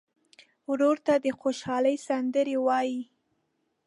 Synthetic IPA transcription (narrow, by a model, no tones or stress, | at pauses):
wɾoɾt̪ad̪əxoʃɑləjsand̪əɾewɑji